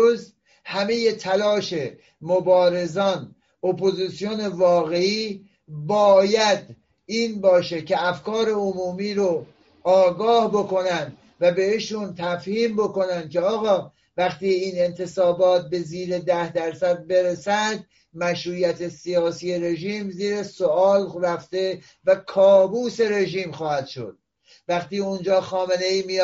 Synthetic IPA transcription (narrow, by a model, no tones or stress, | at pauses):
uːz | hæme̞je̞t̪ʰælɒːʃe | mobɒːɾe̞zɒːn | opʰo̞ziːsijone̞vɒːɣe̞iː | bɒːjæd̪ | iːnbɒːʃecʰe̞æfkɒːɾe̞omuːmiːɾo | ɒːɡɒːhbo̞ko̞nænd̪ | væbe̞eʃunt̪ʰæfhiːmbo̞ko̞nænd̪̥̚kʲʰeɒːɣɒː | væxt̪iːiːne̞nt̪ʰe̞sɒːbɒːt̪̚be̞ziːɾe̞d̪æhd̪æɾsæd̪̚be̞ɾesænd̪ | mæʃɾuːjæt̪ʰe̞sijɒːsiːe̞ɾe̞ʒiːmziːɾe̞soɒːlræft̪e̞ | vækʰɒːbuːse̞ɾe̞ʒiːmxɒːhæd̪̥ʃo̰d̪̥̚ | væxt̪iːund͡ʒɒːxɒːme̞ne̞iːmi